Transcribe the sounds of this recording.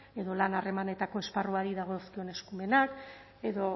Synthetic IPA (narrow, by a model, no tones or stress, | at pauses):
e̞ðo̞lanare̞mane̞t̪ako̞e̞sparuaɾiðaɣ̞o̞skio̞ne̞skume̞nak | e̞ðo